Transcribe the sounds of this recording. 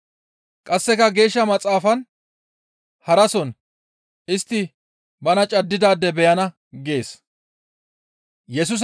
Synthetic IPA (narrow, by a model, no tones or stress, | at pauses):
kʼɐsːɛkɐɡe̞ːʃːɐmɐt͡sʼaːfɐn | hɐɾɐsɔn | ɪst̪ːɪ | bɐnɐt͡ʃʼɐd̪ːɪd̪aːd̪ːɛbɛjɐnɐ | ɡe̞ːs | jɛs̬ʊs̬